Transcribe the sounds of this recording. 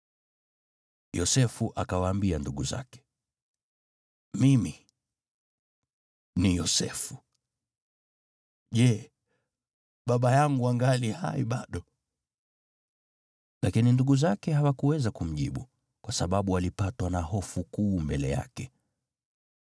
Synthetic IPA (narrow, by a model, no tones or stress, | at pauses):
jɔsɛfuʔakawaːmbianduɠuza̰kɛ̥ | mimi | nijɔsɛfu | ʄɛ | ɓaɓajaŋɡuaŋɡaliha̰jiɓaɗɔ | lakininduɠuzakɛhawakuwɛzakum̩ʄiɓu | kwasaɓaɓualipatwanaɦɔfukuːmbɛlɛja̰kɛ